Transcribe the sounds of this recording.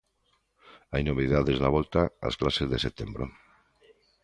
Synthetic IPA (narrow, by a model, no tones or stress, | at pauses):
ajnoβiðaðezðaβ̞ɔlt̪aa̰sklasezðeset̪embɾo̰